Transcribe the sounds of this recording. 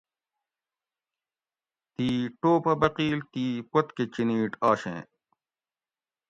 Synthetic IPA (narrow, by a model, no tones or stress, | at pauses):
t̪iːʈoːpɐbɐqiːlt̪iːpot̪ket͡ɕiniːʈaːɕḛ̃ː